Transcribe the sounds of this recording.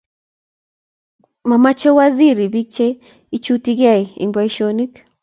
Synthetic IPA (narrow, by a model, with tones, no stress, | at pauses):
ma˨ma˦t͡ʃe˦wa˦zi˦˨ɾi˨βi˦k̚t͡ʃe˦ | i˦t͡ʃu˦ti˦ɣa˦˨i˨ḭ˨ŋba˦i˦ʃo˦ni˦k